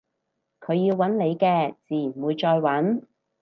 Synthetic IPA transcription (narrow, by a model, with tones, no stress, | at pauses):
kʰɵ˨˧ɥjiː˧wːɐ˨˥nle˨˧jkɛː˧t͡siː˨˩jnwuː˨˧jt͡ʃɔː˧jwɐ˨˥n